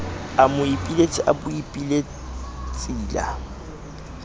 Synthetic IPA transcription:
amʊipʼilet͡sʼiʔabʊipʼile | t͡sʼiːla̰

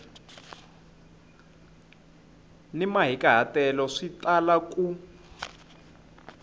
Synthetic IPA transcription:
nimaɦikaɦatɛlɔʂitʼalakʼu

